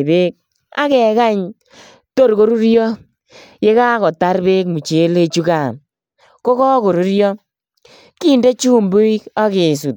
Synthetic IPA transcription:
be˦k̚ | a̰˦kɛ˨ka˦ɲ | to˦ɾko˦ɾu˦ɾjɔ˦ | je˦kaː˦kɔ˨ta˦ɾbeː˦k̚mu˨t͡ʃe˨˦le˦t͡ʃu˦ka˨n | ko˦kɔ˦ko˨ɾu˦ɾjɔ˦ | ki˦nde˦t͡ʃuː˦mbu˦i˦ka˦ke˨s̬u˨t̚

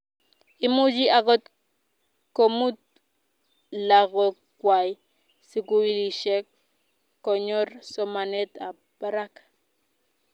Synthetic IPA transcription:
i˦mu˦d͡ʒi˦a˨ɡo˦t̪ | komu˦t̪̚ | laɡo˨ | kwa˨j | si˦ku˦i˦li˨ʃe˦kː | o˨ɲo˦ɾso˦mane˦t̪a˨ | b̥a˦ɾa˦k

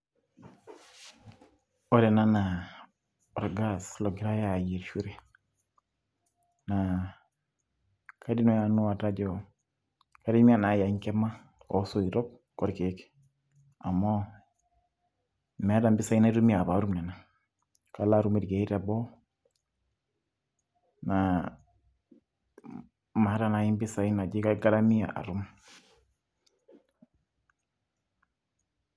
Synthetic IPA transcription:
ɔ˦ɾɛ˨na˦na˨ | ɔ˨ɾɡa˦˨slɔ˨ɡɪ˦ɾa˦ja˨je˨ɾʃu˦ɾe˨ | na˨ | kʰa˦di˦nɔ˦ja˨nu˦a˨ta˦d͡ʒɔ˨ | ka˦di˦mi˦a˨na˨ja˨˦ɲkɛ˦ma˦ | ɔ̰˨˦so˦˨i˨ɾɔ˦k̚ | kɔ˦ɾke˨˦k | a˨mɔ˦ | mɛ˨˦da˨mbɪ˦sa˨i˦na˦i˦ɾu˦mi˦a˨ba˨˦ɾu˦mnɛ˨na˦ | ka˨la˦ɾu˦mi˨tɡe˨i˦ɾa˨bɔ˦ | na˨ | ma˨˦ɾa˦˨na˨i˦mbɪ˦sa˨i˦na˨d͡ʒi˦ka˦ɡa˦ɾa˦mi˦a̰˨ʔa̰˨ɾu˦m

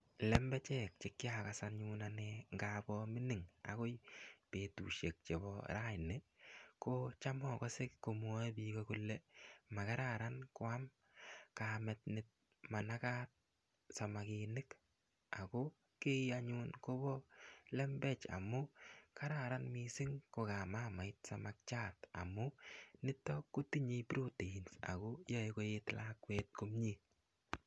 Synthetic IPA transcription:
lɛ˦mbɛ˦t͡ʃɛk̚t͡ʃɪ˨kːɪ˦akasaɲunaneŋɡabɔmɪ˦nɪ˨ŋa̰˨ko˦jpe˨tṵ˨ʃe˨k̚t͡ʃe˨bɔ̰ɾajnɪkot͡ʃamɔ˦kɔ˦sɪ˦kːo˨m˦ɔ˦bi˨kɔkulːɛ˦ma˨ka˦ɾaɾa˦nkʊ˦a˦m | kamɛt̚nɪt̚ | ma˨na˦ka˦t̚ | sa˨makɪnɪ˦k | a˨ko | ke˦iaɲunko˦bɔ˦lɛ˦mbɛ˦t͡ʃa̰˨mʊ˦ka˦ɾaɾanmisɪ˦ŋko˨ka˨maːma˨ɪt̚samak̚t͡ʃaːta̰˨mʊnɪ˦tːɔ˦ku˦ti˦ɲe˦bɾu˦tii˨nsa̰˨kojɔ˦eko˦jɪtlakwɛt̚ko˦mɲi˦

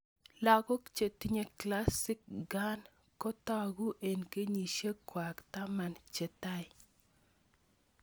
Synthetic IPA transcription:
la˨ɡɔ˦kt͡ʃe˨ti˦ɲe˨kla˦sɪ˦k̚ɡa˦n | kɔ˦t̪ɔ˦˨ɡu˦ʔe˨nke˦ɲi˨ʃe˦kwa˨kt̪a˦ma˦nt͡ʃe˨ta˦ɪ˨

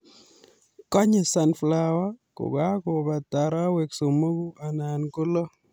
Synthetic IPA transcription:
kɔ˦ɲe˨sa˨nfla˨wa˦kʊ̰˨ɡa˦ko˨ba˨ta˨ɾa˦we˨kso˨mo˦ku˦a˨na˨nkʊ˦lo˦

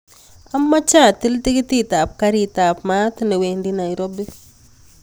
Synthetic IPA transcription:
a˦mːa˦t͡ʃa˦˨ti˦lti˦ki˦ti˦ta˨p̚ka˦ɾita˨pma˦t̪ne˨we˨ndi˦na˨jɾo˦bi˦

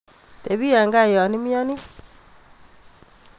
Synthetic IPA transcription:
te˨βi˦a˨ŋɡa˦jɔ˨ni˦mjɔ˦ni˦

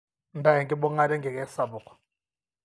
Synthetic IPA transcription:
nda˨jɛ˨ŋɡɪ˦bʊ˦ŋa˦ɾɛ˦ŋɡɛ˨kɛ˦sa˨bʊ˨kʰɔ̥˨

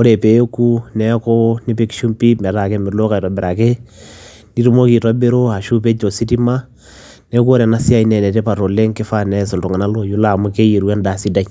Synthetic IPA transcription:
o˦ɾe˨pe˨jo˦ku˦nɛ˦ko˦ni˦pe˦kʃu˦mpi˦mɛ˨ɾa˨ke˦mɪ˨lo˦ka˨i˨to˨be˨ɾa˨ke˦ | ni˦ɾu˦mo˦ki˨ta˦be˦ɾo˦a˨ʃu˦p̬e˦d͡ʒo˨si˦ti˦ma˦ | nɛ˦ko˦ɾɛ˨na˦si˦a˦i˦nɛ˨nɛ˨te˦pa˨ɾo˨le˦ŋke˦fa˦nɛ˦so˨ltu˨ŋa˨na˦lo˨ju˦la˨mu˦ke˦je˨ɾu˦a˦nda˨si˦da˦i

